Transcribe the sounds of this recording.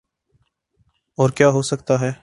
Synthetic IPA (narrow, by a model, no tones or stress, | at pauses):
ɔːɾkjaːɦoːsək̚t̪aːɦɛː